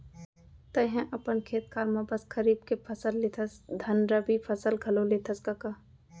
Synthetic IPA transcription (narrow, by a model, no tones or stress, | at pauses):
t̪əɦɛ̃ʔɐpənkʰeːt̪̚kaːɾmãbɐskəɾiːbkepʰəsəlːet̪ʰəsd̪ʱɐnɾəbipʰəsəlɡʱɐlolet̪ʰəskaka